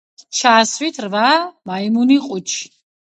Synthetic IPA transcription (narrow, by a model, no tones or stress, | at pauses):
t͡ʃʰaːsvit̪ʰrvamaimuniqʼut͡ʃʰi̥